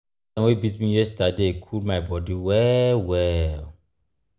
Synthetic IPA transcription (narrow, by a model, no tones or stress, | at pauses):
ɛ̃nwebitmĩjɛstadekʰulmaɪbɔdiwɛlwɛl